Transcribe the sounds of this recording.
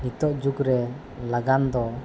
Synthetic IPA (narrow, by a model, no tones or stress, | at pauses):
nit̪ɔʔd͡ʒukɾɛ | laɡand̪ɔ